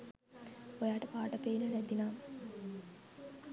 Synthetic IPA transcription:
ojaːʈəpaːʈɐpeːnəɾæd̪inaːm

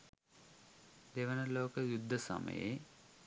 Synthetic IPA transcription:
d̪eʋənəloːkəjud̪ʱːəsɐ̰mə̰jḛ

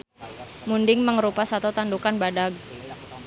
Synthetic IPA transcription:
mundɪŋməŋɾupasat̪ut̪andukanbadaɡ̚

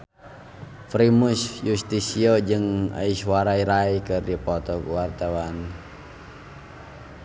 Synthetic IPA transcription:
fɾimusjust̪isiod͡ʒɨŋa̰iswaɾaiɾaikɨrdipɔt̪ɔkuwart̪awan

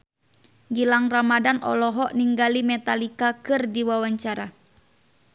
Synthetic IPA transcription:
ɡilaŋramadanɔ̰lɔɦɔʔniŋɡalimɛt̪alikakɨrdiwawaɲt͡ʃaɾa

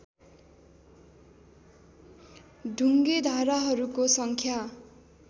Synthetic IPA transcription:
ɖʱuŋɡed̪ʱaɾaɦʌɾukosʌŋkʰja

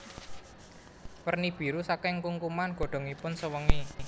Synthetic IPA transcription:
pərnib̥i̤ɾusakɪŋkuŋkumanɡ̥ɔ̤ɖ̥ɔ̤ŋipʊnsəwəŋi

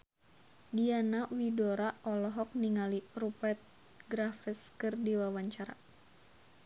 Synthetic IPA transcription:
dianawidɔɾaʔɔlɔɦɔk̚niŋalirupɛrt̪̚ | ɡɾafəskɨrdiwawaɲt͡ʃaɾa̰

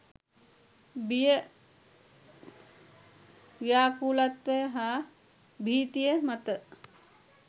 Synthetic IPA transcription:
bijə | ʋjaːkuːlat̪ʋejəɦaː | bʱiːt̪ijəmɐt̪ə

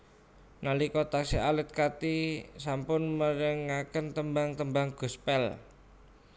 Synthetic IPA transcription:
nalikɔt̪aksialət̪̚kat̪isampʊnməɾəŋːakənt̪əmbaŋt̪əmbaŋɡ̥ɔ̤spɛl

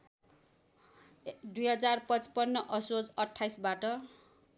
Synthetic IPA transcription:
d̪ujɦʌd͡zarpʌt͡spʌnːʌʔʌsod͡zʌʈʰːajsbaʈʌ

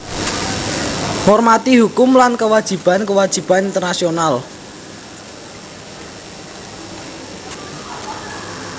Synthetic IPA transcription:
hɔrmat̪ihukʊmlankəwad̥ʒ̥i̤b̥a̤nkəwad̥ʒ̥i̤b̥anint̪ərnasional

